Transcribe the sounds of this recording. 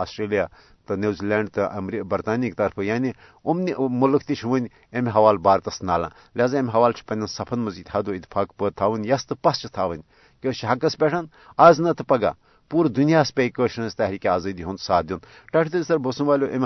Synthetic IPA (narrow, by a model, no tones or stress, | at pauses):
aːsʈɾeːlijaː | t̪ɨnʲeːziːlʲeːɳɖt̪ɨʔɐ̰mɾibɐɾt̪aːnikt̪ɐɾpʰɨjaːnʲi | umnimulɨkʰt̪it͡ʃʰʋənʲ | emɦɐʋaːlbaːɾt̪ɐsnaːlã̰ː | lʲaːzaːemʲɦɐʋaːlt͡ʃʰi̥pɐnʲɐnsɐpʰɐnmɐziːd̪hɐd̪oit̪ːi̥fʰaːkpəːd̪̚t̪ʰaːʋɨnʲjɐst̪ɨpɐst͡ʃʰit̪ʰaːʋənʲ | kʲet͡ʃʰiɦɐkɐspʲeʈʰɐn | aːznɐt̪ʰɨpɐɡa̰ː | puːɾd̪unijaːspʲeikəːʃnɐzʲt̪ɐːɦɾiːkʲiaːzɐːd̪iɦunt̪saːd̪ʲjun | ʈɐʈʰt̪ɨzisɐɾbɐsunʋaːlʲoʔemʲ